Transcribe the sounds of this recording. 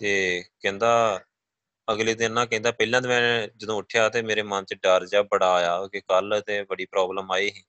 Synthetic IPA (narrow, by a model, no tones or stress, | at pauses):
t̪eːkɛ̃ːnd̪aː | əɡliːd̪ɪnːãːkɛ̃ːnd̪aːpəilãːt̪mɛ̃ːd͡ʒəd̪õːʊʈʰːjaːt̪eːmeːɾeːmə̃ːnt͡ʃɖəːɾd͡ʒaːbəɽaːjaːkekəlt̪ẽːbəɽiːpɾɔːbləmaːiːɦĩː